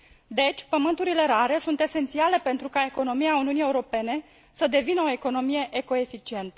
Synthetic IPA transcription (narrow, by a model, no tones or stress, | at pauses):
d̪e̞t͡ʃʲpəmɨnt̪uɾile̞ɾaɾe̞sunt̪e̞se̞nt̪siale̞pe̞nt̪ɾukae̞ko̞no̞miauniunije̞uɾo̞pe̞ne̞ | səd̪e̞vinəo̞eko̞no̞mije̞ʔeko̞e̞fit͡ʃie̞nt̪ə